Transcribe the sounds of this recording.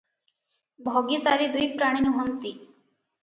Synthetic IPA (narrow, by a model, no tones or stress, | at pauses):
bʱɔɡisaɾid̪ujpɾaɽ̃inuɦɔnt̪i